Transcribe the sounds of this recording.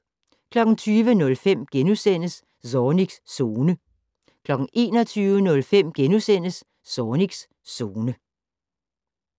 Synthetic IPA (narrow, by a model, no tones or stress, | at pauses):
kʰlɒ̽ɡ̥n̩t͡sʰyːʋənɔ̽lfem̰ɡ̥enusen̰əs | sɒniɡ̥sːo̝ːnə | kʰlɒ̽ɡ̥ŋ̩ʔe̝̰ːnɒ̽t͡sʰyːʊənɔ̽lfem̰ɡ̥enusen̰əsː | ɒːniɡ̥sː | o̝ːnə